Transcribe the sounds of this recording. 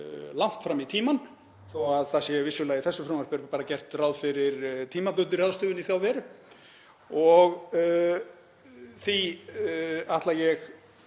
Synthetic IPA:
lawn̥t̪fɾamit̪ʰiːman | θɔaðθasjɛvɪsjʏlaːjiθɛsːʏfɾawmaɾpɛɾpaːɾacɛr̥t̪rawðfɪɾɪɾt̪ʰiːmapʏt̪ʏɾjaðst̪ʏːvʏniθjawvɛɾʏ | ɔɣ | θi | aht̪lajɛɣ

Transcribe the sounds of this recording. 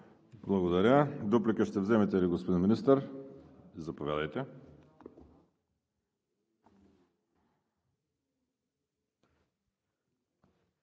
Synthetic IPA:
blˠɐɡod̪ɐɾʲəd̪oplikəʃt̪ɛvzɛmɛt̪ɛliɡospod̪inminist̪əɾ | izɐpovjad̪əjt̪ɛ

